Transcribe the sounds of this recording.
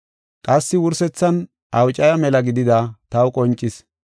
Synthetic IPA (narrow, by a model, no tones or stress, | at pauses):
kʼɐsːɪwʊɾsɛt͡sːɐn | ɐwt͡ʃʼɐjɐmɛlɐɡɪd̪ɪd̪ɐt̪ɐwʊkʼɔnt͡ʃʼːɪs